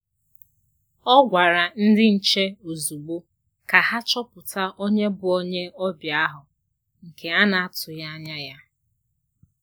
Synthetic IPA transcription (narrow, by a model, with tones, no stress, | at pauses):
ɔ˦ɡʷa˨ɾa˨n̩˦dɪ˦n̩˨t͡ʃe˦o˨zu˨ɡ͡bo˦ | ka˨ha˦t͡ʃɔ˦pʊ˨ta˦ʔo˦ɲe˦bʊ˨o˦ɲe˦ɔ˦bja˨a˦ɦʊ˨ | ŋ̩˨kʰe˨a˦na˨a˦tʊ˨ja˦a˦ɲa˦ja˦